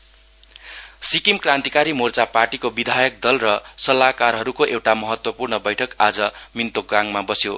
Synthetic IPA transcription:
sikimkrant̪ikaɾimort͡saparʈikobid̪ʱajʌk̚d̪ʌlrʌsʌlakarɦʌɾukoʔewʈamʌɦʌt̪wʌpurnʌbʌjʈʰʌkad͡zʌmint̪oɡaŋmabʌsjo

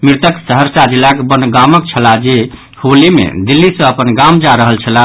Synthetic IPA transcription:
miɾt̪əksəɦəɾsad͡ʒilakbənɡamək̚t͡ʃʰəlad͡ʒe | holimḛd̪ilːisə̃əpənɡamd͡ʒaɾəɦəlt͡ʃʰəla

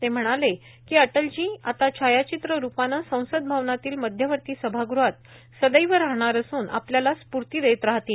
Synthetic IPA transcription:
t̪em̤əɽ̃ale | kiːəʈəld͡ʑĩːat̪at͡ɕʰajat͡ɕit̪ɾəɾupanasə̃w̃səd̪̚bʱaʋnat̪iːlməd̪ʱjəʋəɾt̪iːsəbʱaɡɾuat̪̚ | səd̪əjʋəɾaɦɽ̃aɾəsuːnʔa̰pljalaspuɾt̪iːɾet̪ɾaɦt̪i

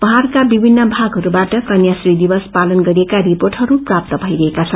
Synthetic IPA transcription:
pʌɦarkabibʱinːʌbʱaɡʱɦʌɾubaʈʌkʌnjasrid̪ibʌspalʌnɡʌɾiekaɾiporʈɦʌɾuprap̚t̪ʌbʱʌjɾʌɦekat͡sʰʌn

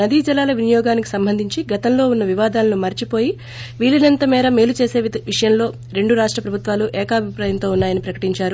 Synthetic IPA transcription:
ɐd̪iːd͡ʒɐlaːlɐʋinɐjɔːɡaːniki̥sɐmbʱɐnd̪ʱiɲt͡ʃiɡɐt̪ɐmlo̞ːunːɐʋiʋaːd̪aːlɐnumɐɾt͡ʃipo̞ːji | ʋiːlːɐnɐnt̪ɐmɛːɾɐme̞ːlut͡ʃe̞ːse̞ːʋiʂɐjɐnlo̞ː | ɾe̞ɳɖuɾaːʂʈɾɐpɾɐbʱut̪ʋaːluʔɛːkaːbʱipɾaːjɐnt̪o̞ːunːaːjɐnipɾɐkɐ̥ʈiɲt͡ʃaːɾu

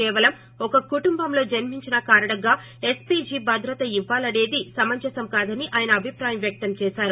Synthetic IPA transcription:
ɛːʋɐlɐm | ɔkɐkuʈumbɐmlo̞ːd͡ʒɐnmiɲt͡ʃinɐkaːɾɐɽɐɡaː | espid͡ʒiːbʱɐd̪ʱɾɐt̪ɐiʋːaːlɐɽe̞ːd̪isɐmɐɲt͡ʃɐsɐmkaːd̪ɐniʔaːjɐnɐːbʱipɾaːjɐmʋjɐk̚t̪ɐmt͡ʃɛːsaːɾu

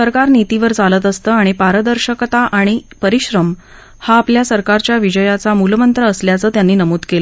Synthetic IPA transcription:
səɾkaɾnit̪iʋəɾt͡salət̪əst̪əːaɽ̃ipaɾəd̪əɾɕəkt̪aʔaɽ̃ipəɾiɕɾəm | haːpljasəɾkaɾt͡ɕjaʋid͡ʑəjat͡samulmənt̪ɾəːsljat͡səːt̪janːiːnəmuːd̪kelə

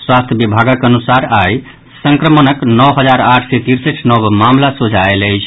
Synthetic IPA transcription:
swast̪ʰjəbibʱaɡəkənusaɾaj | səŋkɾəmənəknɔwɦəd͡ʒaɾaʈʰset̪iɾseʈʰnɔbmamlasod͡ʒʱaeləjt͡ʃʰ

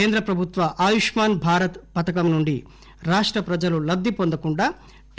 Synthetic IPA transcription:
eːnd̪ɾɐpɾɐbʱut̪ʋɐʔaːjuʂmaːnbʱaːɾɐt̪pɐt̪ɐkɐmnuɳɖi | ɾaːʂʈɾɐpɾɐd͡ʒɐlulɐbd̪ːipond̪ɐkuɳɖaː | ʈ

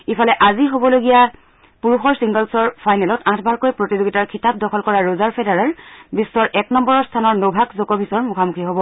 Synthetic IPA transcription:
ipʰalɛʔaziɦobɔloɡija | puɹuxɔɹsiŋɡɔlsɔɹpʰajnɛlɔtãtʰbaɹkojpɹotizoɡitaɹkʰitap̚dɔkʰɔlkɔɹaɹozaɹpʰedaɹaɹbisːɔɹʔɛknɔmbɔɹɔɹstʰanɔɹnobʱaɡzokɔbʱisɔɹmukʰamukʰiɦobɔ

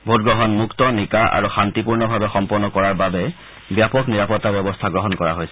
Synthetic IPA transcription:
bʱotɡɹɔɦɔnmuktɔnikaʔa̰ɹuxantipuɹnɔbʱabɛxɔmpɔɹnɔkɔɹaɹbabɛ | bjapɔkniɹapɔtːabjɛbɔstʰaɡɹɔɦɔnkɔɹa̰ɦojsɛ̥

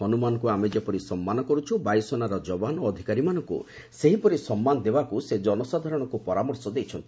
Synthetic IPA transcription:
ɦɔnumanɔkuamed͡ʒepɔɾisɔmːanɔkɔɾut͡ʃʰubajsɔnaɾɔd͡ʒɔbanoːd̪ʱikaɾimanɔŋkṵ | seɦipɔɾisɔmːanɔd̪ebakused͡ʒɔnɔsad̪ʱaɾɔɽ̃ɔkupɔɾamɔɾsɔd̪ejt͡ʃʰɔnt̪i̥

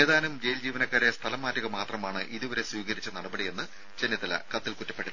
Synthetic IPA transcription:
eːðaːnumd͡ʑe̞jld͡ʑiːʋɐnɐkːaːɾest̪ʰɐlɐmːaːtːɐɣɐmaːt̪rɐmaːɳɨʔiðuʋɐɾe̞swiːɣɐɾit͡ɕːɨnɐɽɐbɐɽije̞nːɨ | t͡ɕenːit̪ːɐlɐ̰kɐt̪ːilkutːɐ̥pːeɽu

